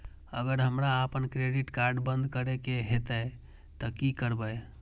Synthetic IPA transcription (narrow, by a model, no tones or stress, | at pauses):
əɡəɾɦəmɾaːpənkɾeɖiʈkaɾɖbə̃nd̪ʱkəɾekeɦet̪ə | t̪əkikəɾbəj